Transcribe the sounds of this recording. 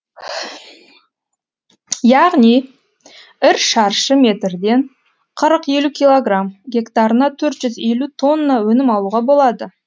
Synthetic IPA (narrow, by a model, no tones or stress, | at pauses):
jɑʁnij | ɪɾʃɑɾʃəme̞t̪ɾd̪e̞ɴ | qʰəɾəqe̞lukʲilˠo̞ɡramɡʲe̞kt̪ɑɾənɑt̪ʰɵɾt̪ʒ̥ʏze̞lut̪ʰo̞nːawɵnɪmɑlˠuːʁɑbo̞lˠɑd̪ə